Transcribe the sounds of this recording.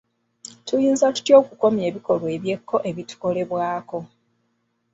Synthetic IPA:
tujiːnzatu̥tjo̞ːkuko̞mje̞ːβiko̞lwe̞ːβje̞kʰːo̞ʔe̞βitu̥ko̞le̞βwaːko̞

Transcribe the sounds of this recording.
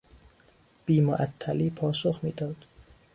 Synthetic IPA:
b̥iːmoʔæt̪ʰːæliːpʰɒːsoxmiːd̪ɒːd̪̥

